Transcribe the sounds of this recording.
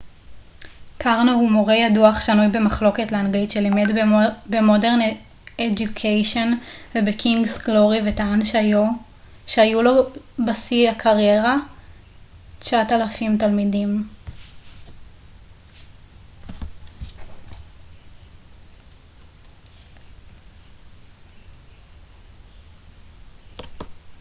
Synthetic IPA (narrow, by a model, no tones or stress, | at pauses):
kʰaʁnohumoʁejaduaχʃanujbe̞maχlo̞ke̞tleanɡaitʃelimedbemodeʁn | ed͡ʒukʰejʃo̞nvebekʰiŋɡsɡlo̞ʁivetaanʃajo | ʃeajulo̞basiakʰaʁje̞ʁa | t͡ʃaʔatalafimtalmidim